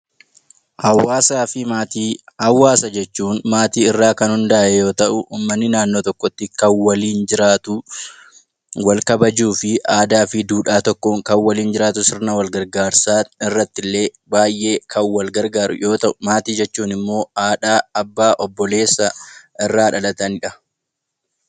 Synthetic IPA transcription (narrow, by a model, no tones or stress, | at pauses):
hɐwːaːsaːfɪmaːt̪iːhɐwːaːsɐd͡ʒɛt͡ʃːuːnmaːt̪iːɪrːaːkɐnhʊnd̪aːʔɛjo̞ːt̪ɐʔʊʔuːmːɐnːɪnaːnːoːt̪ɔkːɔt̪ːɪkɐnwɐliːnd͡ʒɪɾaːt̪ʊ | wɐlkɐbɐd͡ʒuːfɪʔaːd̪aːfɪd̪uːᶑaːt̪ɔkːoːŋkɐnwɐliːnd͡ʒɪɾaːt̪ʊsɪɾnɐwɐlɡɐɾɡaːɾsaːɪrːɐt̪ːɪlːe̞ː | baːjʔe̞ːkʰɐwwɐlɡɐɾɡaːɾʊ̰jo̞ːt̪ɐʔʊmaːt̪iːd͡ʒɛt͡ʃːuːnɪmːo̞ːaːᶑaːɐbːaːʔɔbːɔle̞ːsːɐʔɪrːaːᶑɐlɐt̪ɐnɪᶑɐ